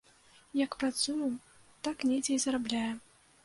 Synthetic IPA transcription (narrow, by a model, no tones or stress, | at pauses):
jɐkpɾat̪suju | t̪aknʲet͡sʲɛjzɐɾablʲajɛ